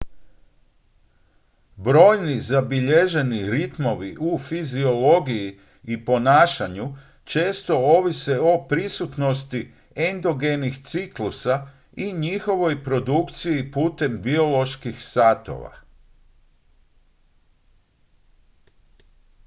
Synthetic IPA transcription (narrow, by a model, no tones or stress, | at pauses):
bɾo̞ːjnizabiʎe̞ʒe̞niɾit̪mo̞ʋiʔufizio̞lo̞ɡiji | ipo̞naːʃaɲu | t͡ʃe̞ːst̪o̞o̞ʋise̞o̞pɾisut̪no̞st̪i | end̪o̞ɡe̞nixt̪siklusa | iɲixo̞ʋo̞jpɾo̞d̪ukt̪sijipuːt̪e̞mbio̞lo̞ʃkixsat̪o̞̰ʋa̰